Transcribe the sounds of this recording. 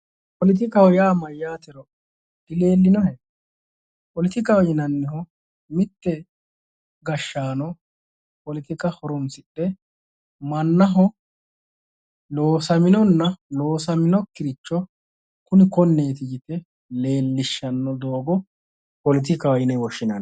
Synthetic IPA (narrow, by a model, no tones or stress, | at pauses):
pɔlɪt̪̬ɪkɐhɔjaːmɐjːaːt̪ɛɾɔ | d̪̥ɪle̞ːlːɪnɔhɛ | pɔlɪt̪ɪkɐwjɪnɐnːɪhɔ | mɪt̪ːɛ | ɡɐʃːaːnɔ | pɔlɪt̪ɪkɐhɔɾɔnsɪɗːɛ | mɐnːɐɦɔ | loːsɐmɪnɔnːɐloːsɐmɪnɔkːɪɾɪt͡ʃːɔ | kʊnɪkɔnːe̞ːt̪ɪɡɪt̪ɛ | le̞ːlːɪʃːɐnːɔd̪o̞ːɡɔ | pɔlɪt̪̬ɪkɐwjɪnɛwɔʃɪnɐ̰n